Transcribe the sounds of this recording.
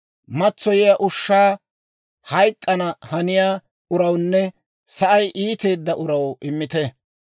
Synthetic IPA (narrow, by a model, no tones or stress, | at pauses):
mɐt͡sːɔjɪjaʔʊʃːaː | hɐjkʼːɐnɐhɐnɪjaː | ʊɾɐwnːɛ | sɐʔɐjʔiːt̪e̞ːd̪ːɐʔʊɾɐwʔɪmːɪt̪ɛ